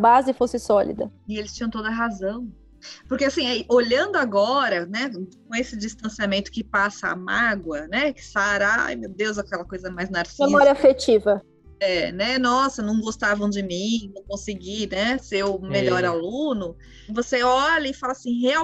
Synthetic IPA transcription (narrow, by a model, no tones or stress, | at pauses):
bazɪfosɪsɔlḭd̪ɐ̰ɪelɪst͡ʃĩɲɐ̃t̪od̪ɐɦazɐ̃w̃ | pʊɾkeasĩɛʔoʎɐ̃d̪ʊaɡɔɾɐnɛkõesɪd͡ʒist̪ɐ̃siamẽnt̪ʊ̥kɪpasɐa̰maɡwɐnɛkɪ̥saɾajmewd̪ewzakɛlɐkojzɐmajznaɾsiemmɔɾɐafet͡ʃivɐ | ɛnɛnɔsɐnɐ̃w̃ɡost̪avɐ̃w̃d͡ʒɪmĩnɐ̃w̃kõsɪɡinɛsewmeʎɔɾalũnʊ | voseɔʎɐɪfalɐasĩhea